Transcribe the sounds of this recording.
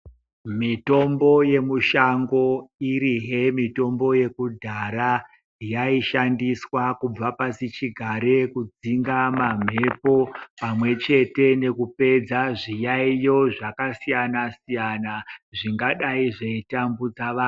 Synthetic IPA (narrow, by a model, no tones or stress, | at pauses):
mito̞mbo̞je̞muʃaŋɡo̞iɾiɦemito̞mbo̞je̞kudʱaɾa | jaiʃandiswakub͡vapasit͡ʃiɡʱaɾe̞kud͡ziŋɡamam̤e̞po̞pamwe̞t͡ʃe̞te̞ne̞kupe̞d͡zaʐijaijo̞ʐakasijanasijanaʐiŋɡaɗaiʐaitambud͡zaʋaː